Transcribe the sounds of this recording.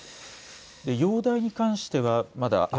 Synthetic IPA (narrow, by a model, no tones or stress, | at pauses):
d̪e̞jo̞ːd̪aiɲ̟ikãɰ̃ɕi̥t̪e̞βamad̪a̰ʔ